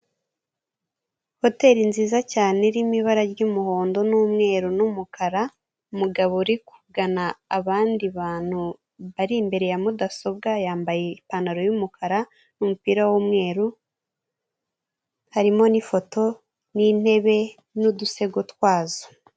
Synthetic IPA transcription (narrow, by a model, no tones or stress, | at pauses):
ho̞te̞ːɾinziːzacaːne̞ɾimiβaɾaɾɟumuho̞ːndo̞nuːmŋe̞ːɾunumukʰaɾa | umuɡaβoɾiku̥ɡanaːβaːndiβaːn̥hu | βaɾimbe̞ɾe̞jamudaso̞b̚ɡajaːmbaje̞ipanaɾo̞jumukʰaɾa | numupiːɾawumŋe̞ːɾu | haɾimo̞nifo̞to̞ | nin̥e̞βe̞ | nuduse̞ɡotwaːzo